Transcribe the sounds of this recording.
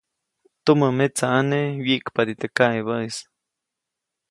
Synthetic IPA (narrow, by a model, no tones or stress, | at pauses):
t̪uməmet͡saːnewiʔkpad̪it̪ekaʔeβəis